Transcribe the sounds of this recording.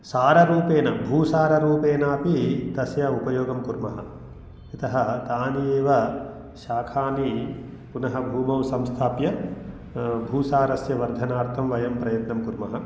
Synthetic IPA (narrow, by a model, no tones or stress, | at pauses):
saːɾɐɾuːpeːnɐbʱuːsaːɾɐɾuːpeːnaːpid̪ɐsjɐupɐjoːɡɐmkuɾmɐɦɐ̆ | it̪ɐɦɐt̪aːnieːʋɐ | ʃaːkʰaːni | punɐɦɐbʱuːmɐʋsɐmst̪ʰaːpjɐ | bʱuːsaːɾɐsjɐʋɐɾd̪ʱɐnaːɾt̪ʰɐmʋɐjɐmpɾɐjɐt̪nɐmkuɾmɐɦɐ